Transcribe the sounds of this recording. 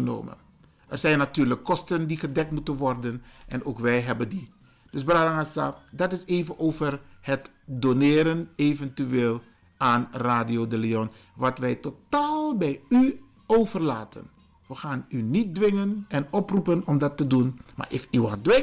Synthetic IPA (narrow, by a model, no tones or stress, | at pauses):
əno̰ːmə̰n | ərzɛjnatyːɹləkːɔstəndiχədɛk̚tmutənʋɔrdənʔɛnoːkʋɛjɦɛbəndi | d̥ɵsbradaŋasa̰dɑtɪseːjvənʔowvərhət | donɪːɾənevɛntyʋeːlˠ | ʔaːnraːdiodəliɔnʋɑtʋɛjtotaːlˠbɛjy | owvərlaːtə̰n | ʋəχaːnynit̚dʋɪŋənɛnɔprupənɔmdɑtːədunma̰ːɹʔɪfyɑndʋɪ